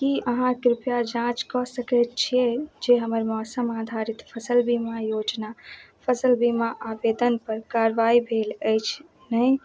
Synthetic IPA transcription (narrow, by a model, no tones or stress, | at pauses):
kiəɦãkɾipjad͡ʒãt͡ʃkɔsəkɛt̪̚t͡ʃʰied͡ʒeɦəməɾmɔːsəmad̪ʱaɾit̪pʰəsəlbimajod͡ʒnapʰəsəlbimaʔabed̪ənpəɾkaɾʋaibʱeləjt͡ʃʰ | nəj